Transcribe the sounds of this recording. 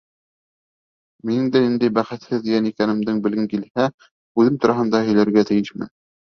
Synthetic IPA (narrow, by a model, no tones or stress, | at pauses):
minɘŋd̪ænind̪æjbæχɘ̆t̪hɘðijænikænɘ̆md̪ɘŋbɘ̆lɡɘ̆ŋkilhæ | ʉðɘmt̪ŏɾɑɦɤ̆nd̪ɑhɵ̆jlæɾɡæt̪ɘ̆jɘʃmɘ̰n